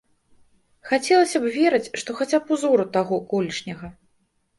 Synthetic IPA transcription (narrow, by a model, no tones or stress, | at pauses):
xat͡sʲɛlˠɐsʲɐbvʲɛɾɐt͡sʲʂt̪ɔxat͡sʲapuzɔɾut̪aɣɔkɔlʲiʂnʲɐɣɐ